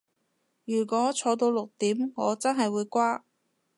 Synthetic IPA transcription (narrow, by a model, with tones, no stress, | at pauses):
jyː˨˩kʷɔː˨˥t͡sʰɔː˨˧t̪̬o˧wlʊ˨k̚t̪iː˨˥mŋɔː˨˧t͡sɐ˥nɦɐ˨jwuː˨˧jkʷaː˥